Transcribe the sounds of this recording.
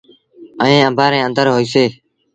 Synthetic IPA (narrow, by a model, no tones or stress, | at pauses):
əẽːəmbʱaːɾẽːə̃nd̪əɾɦoːiːseː